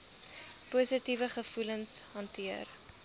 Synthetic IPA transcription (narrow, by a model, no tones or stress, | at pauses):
puːsətivəχəfulənsɦɐntiər